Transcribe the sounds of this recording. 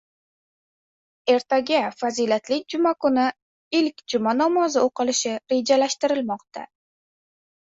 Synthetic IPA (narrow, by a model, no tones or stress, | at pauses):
e̞ɾt̪ʰaɡʲafazilat̪lɪk̚ʲd͡ʒʊmakʊnɪ | ɪlkʲd͡ʒʊmanɒmɒzɪoqɨlɪʃɪɾe̞d͡ʒalaʃt̪ɪɾɪlmɒqt̪a̰